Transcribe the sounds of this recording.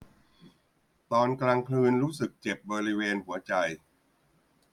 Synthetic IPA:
t̪ɔː˧nklaː˧ŋkʰlɯː˧nɾuː˦˥sɯ˨˩k̚t͡ɕe˨˩p̚bɔː˧ɾi˦˥weː˧nhu˩˦ɐt͡ɕa˧j

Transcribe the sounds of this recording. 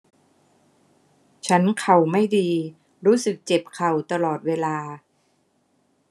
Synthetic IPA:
t͡ɕʰa˦˥nkʰa˨˩wma˥˩jdiː˧ | ɾuː˦˥sɯ˨˩k̚t͡ɕe˨˩p̚kʰa˨˩wt̪a˧lɔː˨˩t̪̚weː˧laː˧

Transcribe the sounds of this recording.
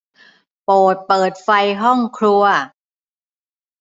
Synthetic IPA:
poː˨˩t̪̚pɤː˨˩t̪̚fa˧jɦɔ˥˩ŋkʰɾu˧ɐ

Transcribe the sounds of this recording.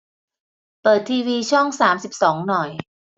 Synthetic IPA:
pɤː˨˩t̪ʰːiː˧wiː˧t͡ɕʰɔ˥˩ŋsaː˩˦msi˨˩p̚sɔː˩˦ŋnɔ˨˩j

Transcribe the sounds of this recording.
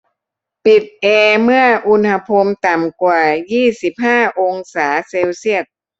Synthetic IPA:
pi˨˩t̪̚ʔeː˧mɯ˥˩ɐəʔu˧˥nha˧pʰo˧mt̪a˨˩mkwaː˨˩jiː˥˩si˨˩p̚haː˥˩ʔo˧ŋsaː˩˦se˧wsi˥˩ək̚

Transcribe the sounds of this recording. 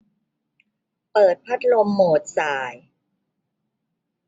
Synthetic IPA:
pɤː˨˩t̪̚pʰa˦˥t̪̚lo˧mːoː˨˩t̪̚saː˨˩j

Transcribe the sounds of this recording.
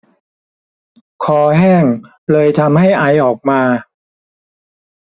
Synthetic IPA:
kʰɔː˧hɛː˥˩ŋ | lɤː˧jt̪ʰa˧mha˥˩jʔa˧jʔɔː˨˩k̚maː˧

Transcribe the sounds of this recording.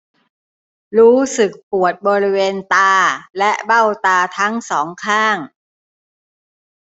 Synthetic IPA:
ɾuː˦˥sɯ˨˩k̚pu˨˩ət̪̚bɔː˧ɾi˦˥weː˧nt̪aː˧lɛ˦˥ʔba˥˩wt̪aː˧t̪ʰa˦˥ŋsɔː˩˦ŋkʰaː˥˩ŋ

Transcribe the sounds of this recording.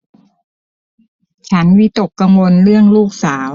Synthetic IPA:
t͡ɕʰa˦˥nwi˦˥t̪o˨˩kːa˧ŋwo˧nɾɯ˥˩əŋluː˥˩k̚saː˩˦w

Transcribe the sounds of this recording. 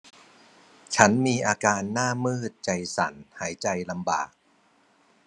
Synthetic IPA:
t͡ɕʰa˦˥nmiː˧ʔaː˧kaː˧nːaː˥˩mɯː˥˩t̪̚t͡ɕa˧jsa̰˩˦nhaː˩˦jt͡ɕa˧jla˧mba̰ː˨˩k̚

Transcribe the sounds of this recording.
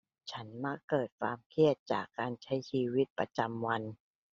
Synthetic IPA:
t͡ɕʰa˦˥nma˦˥kːɤː˨˩t̪̚kʰwa̰ː˧mkʰi˥˩ət̪̚t͡ɕa̰ː˨˩kːaː˧nt͡ɕʰa˦˥jt͡ɕʰiː˧wi˦˥t̪̚pɾa̰˧t͡ɕa˧mwa˧n

